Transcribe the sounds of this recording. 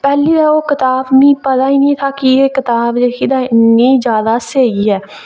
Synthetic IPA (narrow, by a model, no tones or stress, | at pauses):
pɛːliːd̪aːoːkɪt̪aːbmĩːpət̪aːiːnĩːt̪ʰaːkieːkɪt̪aːbd͡ʒeːkid̪ãːɪnɡẽiːd͡ʒjaːd̪aːseːɡiːɛː